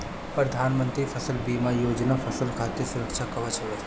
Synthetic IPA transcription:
pɾɐd̪ʱaːnmə̃nt̪ɾifʰəsəlbiːmajoːd͡ʒnapʰɐsəlkʰat̪esʊɾəkʃʰakɐʋat͡ʃʰɐʋe

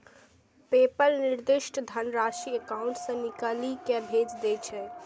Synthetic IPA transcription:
pepəɾniɾd̪iʃʈd̪ʱənɾaʃiekawuɳʈsə̃nikəlikebʱed͡ʒd̪et͡ʃʰɛ

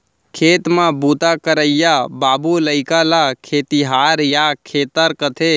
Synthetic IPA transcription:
kʰeːt̪mãbut̪akəɾəɪjabaːbuləɪkalakʰeːt̪iɦaːɾjakʰeːt̪əɾkət̪ʰe

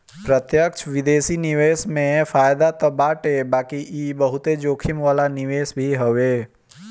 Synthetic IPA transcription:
pɾət̪jəkt͡ʃʰʋɪd̪eːsinɪʋeːsmẽfaːjd̪at̪ɐbaːʈɦebaːkiiːbəɦʊt̪ed͡ʒoːkʰɪmʋaːlanɪʋeːsbʱiɦəʋeː

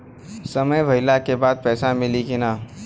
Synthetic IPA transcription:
səməjbʱɐɪlakebaːd̪̚pɛːsamɪlikina

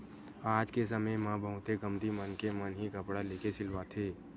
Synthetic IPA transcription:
aːd͡ʒkesɐməjmãbəɦʊ̃t̪eɡɐmd̪imənkemənɦikɐpɽaleːkesɪlʋat̪ʰeː

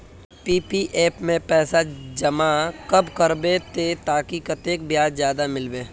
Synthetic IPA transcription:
piːpiʔeːpmẽpɛːsad͡ʒɐmakɐbkɐɾbet̪et̪aːkikɐt̪eːk̚bijaːd͡ʒzjaːd̪amɪlbeː

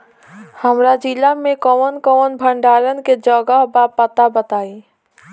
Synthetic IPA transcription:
həmɾad͡ʒilamẽkəwənkəənbʱəɳɖaːɾənked͡ʒəɡəɦbapət̪abət̪aːi

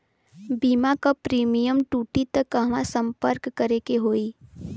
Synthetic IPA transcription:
biːmakapɾiːmijəmʈuːʈit̪əkːəɦʋãsə̃mpəɾkːəɾekeɦoːi

